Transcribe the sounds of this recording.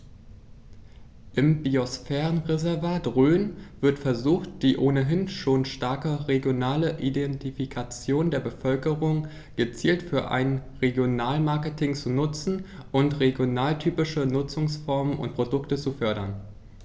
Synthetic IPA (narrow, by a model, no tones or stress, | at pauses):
ʔɪmbiosfɛːʁənʁezɛɐvaːtʁøːnv̥ɪɐtfɛɐzuːxtd̥iːʔoːnəɦɪnʃoːnʃtaɐkəʁeɡjonaːləʔidɛntifikʰat͡sjoːndeːɐbəfœlkəʁʊŋ | ɡ̥ət͡siːltfyːɐʔa̰ɪnʁeɡjonaːlmaɐkətʰɪŋt͡sunʊt͡sn̩ʔʊntʁeɡjonaːltʰyːpɪʃənʊt͡sʊŋsfɔɐmənʊ̰nt̚pʁ̥odʊktət͡sufœɐɾɐn